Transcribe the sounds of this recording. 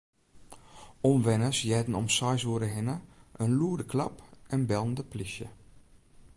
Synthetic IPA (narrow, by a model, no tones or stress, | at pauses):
ɔmʋɛnəsjɛdn̩ɔmsɔjsuəɾəɦɪnəʔənluədəkʰlɑ̰pɛnbɛlˠəndəplisjə̰